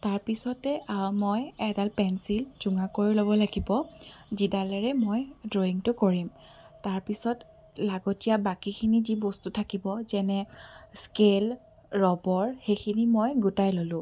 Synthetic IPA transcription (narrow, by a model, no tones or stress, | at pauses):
taɹpisɔtɛʔaɹmojɛdalpɛnsilzuŋakoɹilobɔlaɡibɔzidalɛɹɛmojdɹoiŋtʊkoɹim | taɹpisɔt | laɡɔtijabakikʰinizibostutʰakibɔzɛnɛskel | ɹɔbɔɹxejkʰinimojɡutajlolʊ̃